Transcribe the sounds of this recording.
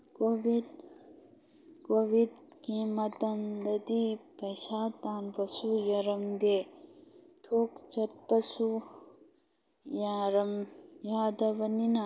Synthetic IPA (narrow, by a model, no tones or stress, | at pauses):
koʋid̪ | koːʋid̪kimɐt̪ɐnd̪ɐd̪ipɐjsaːt̪aːnpɐsujɐɾɐmd̪e | t̪ʰoːkt͡ʃɐt̪̚pɐsu | jaɾɐmjaːd̪ɐʋɐnina